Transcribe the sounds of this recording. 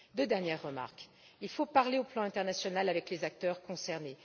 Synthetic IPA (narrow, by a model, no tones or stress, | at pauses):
d̪ød̪ɛʁnjɛʁːəma̰ʁk | ilfopaʁleoplɑ̃ɛ̃t̪ɛʁnasjɔnalavɛklezak̚t̪œʁkɔ̃sɛʁne